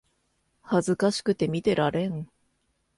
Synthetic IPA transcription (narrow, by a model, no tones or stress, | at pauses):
hazɨkaɕi̥kɯ̟t̪e̞mʲit̪e̞ɾʔaɾẽ̞ŋ